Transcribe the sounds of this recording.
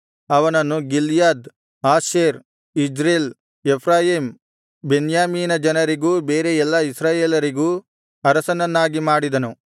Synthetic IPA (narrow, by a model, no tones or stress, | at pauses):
ɐʋɐnɐnːuɡiljaːd̪ | aːʃeːɾ | id͡ʒɾeːl | epʰɾaːjiːm | benjaːmiːnɐd͡ʒɐnɐɾiɡuːbeːɾeɛlːɐisɾaːjeːlɐɾiɡuː | ɐɾɐsɐnɐnːaːɡimaːɽid̪ɐnu